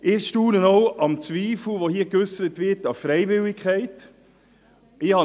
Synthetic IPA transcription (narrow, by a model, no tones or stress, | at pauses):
ʔɪχʃtuːnənɔʊɑmt͡sʋiːfl̩ʋohiːəkʏsəɾətʋɪtɑfɾɛɪvɪldɪkʰχɛɪt | ɪhɑ